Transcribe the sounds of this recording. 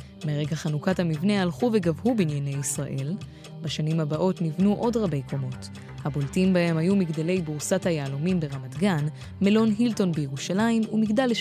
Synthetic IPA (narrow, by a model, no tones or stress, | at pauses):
meʁe̞ɡaχanukathamivnealχuve̞ɡavhubinjene̞jisʁa̰ʔe̞l | baʃanimhabaʔo̞tnivnuʔo̞dʁabe̞jkʰo̞mo̞t | habo̞ltimbahe̞mhajumiɡdale̞jbuʁsathajaːlomimbeʁamatɡan | me̞lo̞nɦilto̞nbejeʁuʃalaimumiɡdale